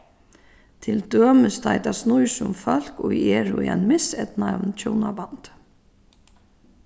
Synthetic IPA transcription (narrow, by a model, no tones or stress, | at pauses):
t̪ʰɪld̪øːməst̪ʰajt̪asnujsʊmfœl̥kʊjɛːɾʊ̰ḭajnmɪsɛt̪navnt͡ɕʰownabant̪